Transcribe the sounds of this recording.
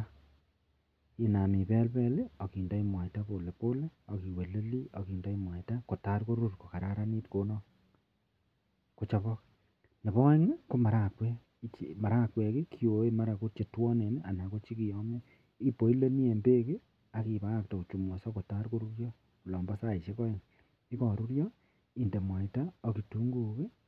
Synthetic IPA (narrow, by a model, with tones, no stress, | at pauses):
i˦na˨mi˨bɛ˦lbɛ˦le˦o˨ki˨nda˦i˦mwa˨jta˦bo˨le˨po˦le˦o˨ki˨we˨le˦li˦o˨ki˨nda˦i˦mwa˨ta˦ko˨ta˦ɾko˦ɾu˦rko˨ka˨ɾa˦ɾa˦ni˦tko˨˦nɔ˦ | ko˨t͡ʃa˨βɔ˦k̚ | ne˨bɔ˦ŋa˦ko˦ma˨ɾa˦kwɛ˦ | t͡ʃima˨ɾa˦kwɛ˨ki˦kʰi˦o˨e˦ma˦ɾa˨ko˦t͡ʃe˨twɔ˦ne˨neʔa˨na˨ko˦t͡ʃi˦ki˨jɔ˦mɛ˦ | i˦po˨˦i˦le˦ni˦e˨mbe˦ke˦ | a˨ki˨ba˦a˦k̚tɔ˨ku˨t͡ʃu˨mo˨sɔ˦ko˨ta˦ɾko˦ɾu˦ɾjɔ˦ | ku˨lɔ˨mba˦sa˦˨i˨ʃe˦kɔ˦i˨ŋ | i˦kɔ˨ɾu˦ɾjɔ˦ | i˨nde˨mwa˨ita˦o˨ki˨tu˨˦ŋɡu˨ke˦